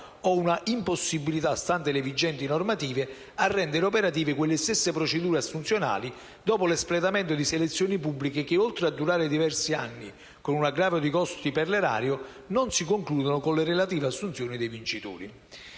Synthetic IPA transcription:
ɔunaʔimposːibilit̪ast̪ant̪elevid͡ʒːɛnt̪inormat̪iːve | arːɛnd̪eɾopɛɾat̪̬iːvɪkwelːest̪esːepɾot͡ʃed̪uːɾeasːunt̪sjona̰ːli | d̪ɔːpolesplet̪amɛnt̪ʊd̪iselet̪sːjoːnipubːlikek̟ɪolt̪ɾead̪ːuɾaːɾɪd̪ivɛrsia̰nːi | konunaɡɾaːvjod̪ikɔst̪iperleɾa̰ːɾjo | nonsikoŋkluːd̪onokonlerelat̪iːveasːunt̪sjoːnid̪ejvint͡ʃit̪ṵːɾi

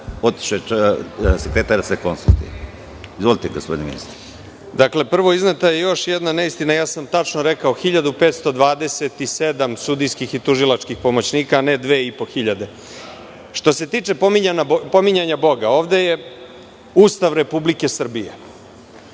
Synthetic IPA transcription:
ot̪ʃt̪oe | sekɾet̪aɾasekonsṵlˠt̪ṵje | izʋolit̪eɡospod̪nimḭnḭst̪ɾi | d̪akle̞pr̩ʋo̞iznet̪ajejo̞ʃjed̪naneist̪inajaːsamt̪at͡ʂnoɾe̞kaoxiʎad̪upeːt̪st̪o̞d̪ʋaːd̪e̞se̞t̪ised̪amsud̪ijskixit̪uʒilat͡ʂkixpo̞mo̞t͡ɕniːkaːned̪ʋeːipo̞xiʎad̪e̞ | ʃt̪o̞se̞t̪iːt͡ʂe̞po̞miɲanapo̞miɲaɲabo̞ɡao̞ːʋd̪e̞je̞ | uːst̪aʋɾe̞publike̞sr̩bije

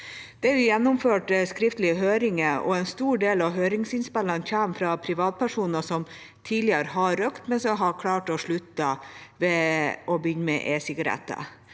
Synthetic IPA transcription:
d̪̥ɛːɾʋɪjɛnːʊmføːʈskɾɪft̪lɪɦøːɾɪŋəɔ̰ɛːnst̪uːɖeːlɑʋɦøːɾɪŋsɪnspɛlɑnçæːmfɾɑpʰɾɪʋɑːt̪̚pʰæʂuːnəsɔm | t̪ʰiːdlɪəɾəɦɑɾøkt̪mɛnsɔɦɑkʰlɑːʈɔʂɭʉt̪ɑʋɛʔɔbəʏnːmɛ̰ʔeːsɪɡɑɾɛ̰t̪ːə̰

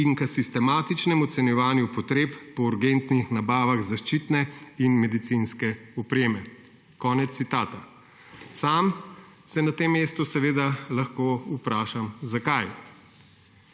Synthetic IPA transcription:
iŋkəsist̪ɛmaːt̪it͡ʃnɛmɔt̪sɛnjɛʋaːnjupɔt̪ɾeːppɔuɾɡent̪nixnabaːʋaɣzaʃt͡ʃit̪nɛinmɛd̪it̪sinskɛɔpɾeːmɛ | kɔːnɛt̪ssit̪aːt̪a | saːm | sɛnat̪emːeːst̪usɛʋeːd̪alaxkoːupɾaːʃamzakaj

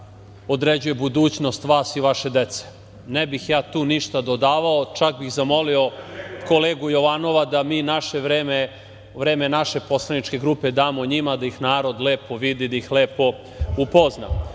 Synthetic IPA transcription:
o̞d̪ɾed͡ʑuje̞bud̪uːt͡ɕno̞st̪ʋaːsiʋaʃe̞d̪et̪se̥ | nebixjaːt̪uːniʃt̪ad̪o̞d̪aːʋaot͡ʃakbixzamo̞lio̞koleːɡujo̞ʋano̞ʋad̪amiːnaʃeʋɾeːme | ʋɾeːmenaʃe̞po̞slˠanit͡ʃke̞ɡɾupe̞d̪aːmoɲimad̪aixnaːɾo̞d̪leːpo̞ʋid̪id̪ajixleːpo̞ | upo̞zna̰

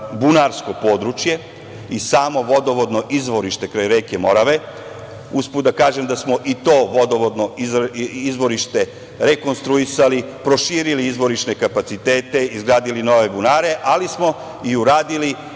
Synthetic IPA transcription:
bunaɾsko̞po̞ːd̪ɾut͡ʃje̞ | isaːmo̞ʋo̞d̪o̞ʋo̞d̪no̞ʔizʋo̞ɾiʃt̪e̞kɾajɾeke̞mo̞ɾaʋe̞ | usput̪d̪akaːʒe̞md̪asmo̞ʔit̪o̞ːʋo̞d̪oʋod̪no̞iizʋo̞ɾiʃt̪e̞ | ɾe̞ko̞nst̪ɾuisalipɾo̞ʃiːɾiliizʋo̞ɾiʃne̞kapat̪sit̪e̞ːt̪e̞izɡɾaːd̪ilino̞ʋe̞bunaːɾe̞ʔalismo̞ | iuɾaːd̪ili

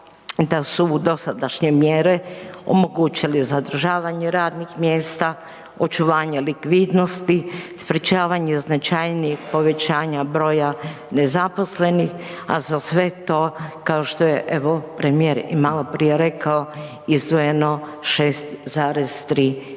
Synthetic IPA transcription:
d̪asud̪o̞sad̪aʃɲemjeːɾeo̰mo̞ɡuːt͡ɕilizad̪r̩ʒaːʋaɲeɾaːd̪nixmjeːst̪a | o̞t͡ʃuʋaːɲelikʋid̪no̞st̪ispɾit͡ʃaːʋaɲeznat͡ʃajniixpo̞ʋe̞t͡ɕaːɲabɾo̞ːja | nezapo̞sle̞nixa̰zasʋe̞t̪oːkao̞ʃt̪ojeʔeʋo̞pɾemijeɾḭmalopɾijeɾekao | izd̪ʋoje̞no̞ | ʃeːst̪zaːɾezt̪ɾiː

